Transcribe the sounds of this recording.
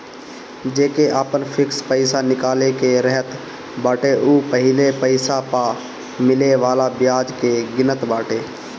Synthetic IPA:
d͡ʒeːkeʔaːpənpʰɪkspəɪsanɪkaːlekeɾɛɦət̪ | baːʈeʔuːpəɦɪlepəɪsapaː | mɪleʋaːlabɪjaːd͡ʒkeɡɪnət̪baːʈeː

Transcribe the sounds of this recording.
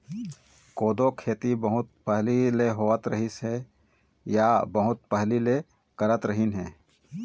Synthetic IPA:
koːd̪okʰeːt̪ibəɦʊt̪̚pəɦlileɦoːət̪ɾəɦɪsɛ | jabəɦʊt̪̚pəɦlile | kəɾət̪ɾəɦinɦɛ̰̃ː

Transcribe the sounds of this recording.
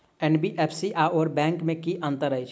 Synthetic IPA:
ɛnbiʔeːpʰsiʔaɔːɾbɛ̃ːŋkmẽkiʔə̃nt̪əɾəit͡ʃ

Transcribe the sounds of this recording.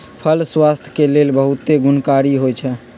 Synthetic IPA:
pʰəlswast̪ʰjə̥kelelbəɦut̪eɡunkaɾiɦojt͡ʃʰɛ

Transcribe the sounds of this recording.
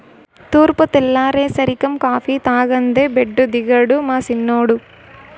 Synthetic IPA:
t̪uːɾpɐt̪ɛlːaːɾeːsɐɾikɐmkaːfit̪aːɡɐnd̪ebeɖːud̪iɡɐɽumaːsinːoːɽu

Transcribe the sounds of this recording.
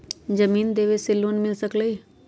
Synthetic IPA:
d͡ʒəmiːnd̪eːʋesɪlːoːnmɪlsəkləi

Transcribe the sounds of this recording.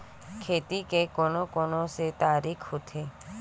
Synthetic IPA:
kʰeːt̪ikekonokonoset̪aːɾikʰɦot̪ʰe

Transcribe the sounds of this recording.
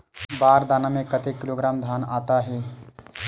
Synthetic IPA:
baːɾd̪aːnamẽkət̪ekɪloɡɾaːmd̪ʱaːnaːt̪aɦe

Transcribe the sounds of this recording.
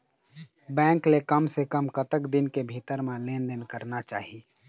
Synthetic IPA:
bɛ̃ːŋklekəmsekəmkət̪əkd̪inkebʱit̪əɾmẽlend̪ənkəɾnat͡ʃa̰ːɦi

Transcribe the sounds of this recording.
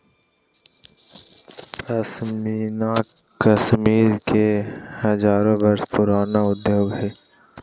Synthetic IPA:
kɐsmiːna | kəsmiːɾkehəzaːɾõbɐɾspʊɾaːnaʊd̪joːɡɦɛː

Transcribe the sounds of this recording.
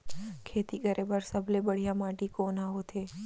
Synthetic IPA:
kʰeːt̪ikəɾʔebəɾsəblebəɽ̤ijamaʈikonaɦot̪ʰeː

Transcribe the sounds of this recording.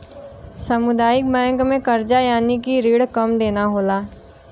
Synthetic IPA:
sɐmʊd̪aːjɪk̚bɛ̃ːŋkmẽkɐɾd͡ʒajaːnikiɾiːɽkɐmd̪eːnaɦoːlaː

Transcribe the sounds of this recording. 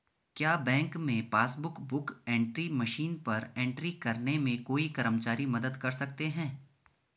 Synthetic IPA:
kjaːbɛ̃ːŋkmẽpaːsbʊkbʊkɛ̃ːɳʈɾimɐʃiːnpɐɾẽːɳʈɾikɐɾnemẽkoːikɐɾəmt͡ʃaːɾimɐd̪əd̪kɐɾsɐk̚t̪eɦɛ̃ː

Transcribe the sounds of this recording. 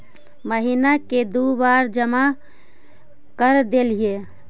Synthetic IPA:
məɦinaked̪ubaɾd͡ʒəma | kəɾd̪elije

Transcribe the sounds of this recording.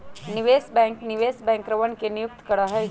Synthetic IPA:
niʋesbɛ̃ŋkniʋesbɛ̃ŋkɾəʋənkenijuk̚t̪kəɽaɦəj

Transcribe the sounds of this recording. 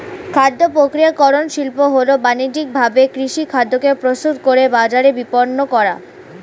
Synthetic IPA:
kʰad̪ːopɾokɾijakɔɾonʃilpoɦolobanid͡ʑik̚bʱabekɾiʃikʰad̪ːokepɾost̪ut̪koɾebad͡ʑaɾebipoɾnokɔɾa̰

